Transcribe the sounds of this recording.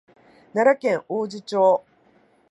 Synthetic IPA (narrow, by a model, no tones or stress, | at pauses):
naɾakẽ̞ŋoːd͡ʑit͡ɕo̞ː